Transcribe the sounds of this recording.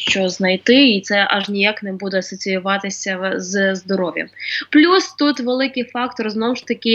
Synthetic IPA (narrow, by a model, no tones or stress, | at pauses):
ʃt͡ʃɔznɐjt̪ɪit̪sɛʔɐʒnʲijaknɛbud̪ɛɐsɔt͡sʲijʊʋɑt̪ɪsʲɐzzd̪ɔɾɔʋʲjɐ̰plʲust̪ut̪ʋelˠɪkɪjfɑkt̪ɔrznɔwʊʃt̪ɐkʲɪ